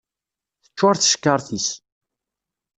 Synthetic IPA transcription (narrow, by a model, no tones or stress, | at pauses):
θət͡ʃːʊɾθə̥ʃə̥kːəɾˤθis